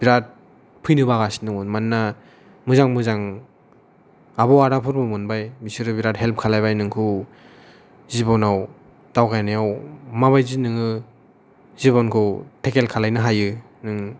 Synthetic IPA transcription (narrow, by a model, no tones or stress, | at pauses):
b̥iɾat̚ | pʰɯjnɯbaɣasi̥nɯŋunmanːa | mɯzaŋmɯzaŋ | abɔwaɾapʰɯɾmɯmɯnbajmisiɾɯbiɾat̚ɦelp̚kʰalajβajnɯŋkʰɯ | zibɔnaw | d̥awkajnajawmaβajzinɯŋɯ | ziβɔnkʰɯwtʰekelkʰalajnɯɦajɯ | nɯŋ